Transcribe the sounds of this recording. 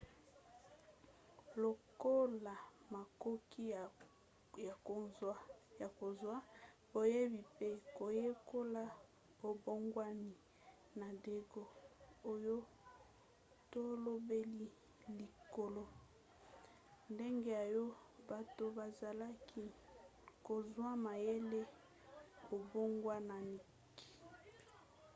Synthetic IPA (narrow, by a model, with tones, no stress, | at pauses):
lo˨ko˦la˨ma˨ko˦ki˦˨ | ja˨ko˨a˦ja˨ko˨zwa˦ | bo˨je˦bi˨pe˦ko˨je˦ko˦la˦ | bo˨bo˦ŋɡwa˦ni˨ | na˨de˦ɡo˦o˦jo˦ | to˦lo˦be˦li˦ | li˨ko˨lo˦ | nde˦ŋɡe˦ja˨jo˦ba˨to˨ba˨za˨la˦kʰi˦ | ko˨zwa˦ma˨je˦le˦ | o˨bo˦ŋɡwa˦na˨ni˨ | ki̥˦˨